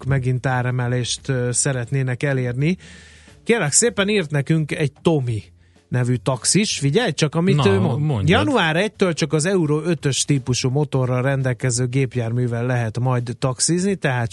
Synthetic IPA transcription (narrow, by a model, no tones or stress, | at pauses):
kmɛɡint̪aːɾɛmɛleːʃt̪ːsɛɾɛt̪neːnɛkɛleːrni | keːrlɛkseːpɛniːrt̪nɛkyŋkɛɟ̚t̪o̞mi | nɛvyt̪ɒksiʃfiɟɛjt͡ʃɒkɒmiøːmonod̪jɒnnuaːɾɛc̚t̪øːlt͡ʃɒkɒzɛuɾoø̞t̪ø̞ʃt̪iːpuʃuːmo̞t̪o̞rːɒrɛnd̪ɛlkɛzøːɡeːpjaːrmyːvɛlːɛɦɛt̪mɒjd̪ːɒksiznit̪ɛɦaːt̪